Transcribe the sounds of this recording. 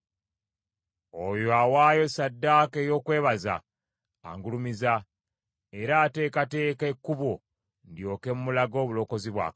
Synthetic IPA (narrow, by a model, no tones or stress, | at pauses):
ojoawaːjo̞sadːake̞ːjo̞ːkwe̞ːβaza̰ː | ŋɡulumiza | e̞ɾaːte̞ːkate̞ːkekːuβo | ndjo̞ːke̞mumulaɡo̞ːβulo̞ko̞ziβwa̰ː